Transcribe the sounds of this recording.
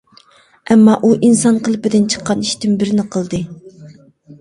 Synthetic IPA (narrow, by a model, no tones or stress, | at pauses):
ɛmːɑʔuʔinsɑnqʰəlˠɨpɪd̪ɪnt͡ʃʰə̥qːɑniʃt̪ɪmbɪɾɪnɪqʰəlˠd̪ɨ